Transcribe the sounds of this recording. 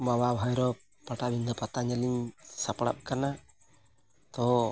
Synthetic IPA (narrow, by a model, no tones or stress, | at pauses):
mawabʱɔjɾɔ | paʈabʱind̪ɔpat̪aɲɛliɲsapɽa̰p̚kana | t̪ɔ